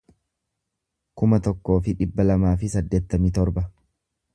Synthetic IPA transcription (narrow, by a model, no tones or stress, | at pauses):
kʊmɐt̪ɔkːo̞ːfɪᶑɪbːɐlɐmaːfɪsɐd̪ːeːt̪ːɐmit̪ɔɾbɐ